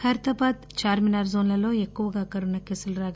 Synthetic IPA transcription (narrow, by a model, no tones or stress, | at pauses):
kʰɐɾt̪ɐbaːd̪̚t͡ʃaːɾminaːɾzoːnlɐloːekːuʋɐɡaːkɐɾunɐkesɐlɾaːɡ